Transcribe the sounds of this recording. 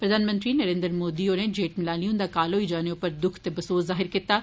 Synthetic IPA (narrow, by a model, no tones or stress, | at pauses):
pɾəd̪ʱaːnmə̃nt̪ɾiːnəɾẽːnd̪ɾmoːd̪iːoːned͡ʒeːʈmɪlaːliʊ̃nd̪aːkaːloːiːd͡ʒaːneʊpəɾd̪ʊkʰt̪ebɐsoːszaːɦɪɾkit̪aː